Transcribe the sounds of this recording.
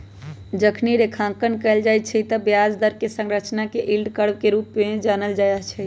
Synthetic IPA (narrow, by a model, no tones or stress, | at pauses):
d͡ʒəkʰniɾekʰãkənkəɪld͡ʒajt̪̚t͡ʃʰɛt̪əbjad͡ʒd̪əɾkesə̃ŋɾət͡ʃnakeʔilɖkəɽb̚keɾupmed͡ʒanəld͡ʒajɛɦt͡ʃʰɛ